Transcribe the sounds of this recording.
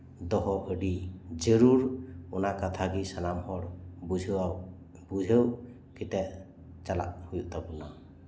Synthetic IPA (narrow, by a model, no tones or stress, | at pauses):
d̪ɔɦɔʔəɖid͡ʒəɾuɾunakat̪ʰaɡisanamhɔɾ | a | bud͡ʒʱew | kit̪ɛʔ | t͡ʃala̰ʔhujuʔt̪abuna